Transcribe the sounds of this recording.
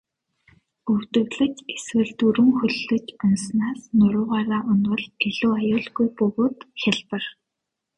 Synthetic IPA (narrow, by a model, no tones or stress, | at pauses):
ɵwt̪ɵ̆wɮɘ̆t͡ɕeswɘ̆ɮt̪uɾɵ̆ŋxɵɮːɵ̆t͡ɕʊnsnaːsnʊɾʊːʁaːɾaːʔʊnwʊ̆ɮeɮuːajʊːɮɣujpɵɣoːt̪xʲaɮpə̆r